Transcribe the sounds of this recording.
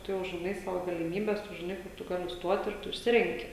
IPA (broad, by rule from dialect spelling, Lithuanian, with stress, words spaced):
ˈtʊ jɛʊ ʒʲɪˈnɐɪ ˈsɑːʋoː ɡɐlʲɪˈmʲiːbʲɛs ˈtʊ ʒʲɪˈnɐɪ ˈkʊr tʊ ˈɡɑːlʲɪ ˈstuɔt ɪr ˈtʊ ɪʃʲˈsʲɪrʲɛŋʲkʲɪ